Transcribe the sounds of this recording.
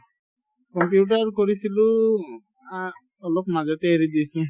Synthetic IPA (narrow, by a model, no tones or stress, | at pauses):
kɔmpjuʈ̬aɾkɔɾisilu | a | ɔlokmad͡ʒat̪eːɾid̪ijsũ